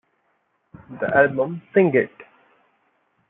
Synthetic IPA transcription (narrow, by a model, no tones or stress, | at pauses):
d̪ə̰ʔælbə̃msɪ̃ŋɡeʈ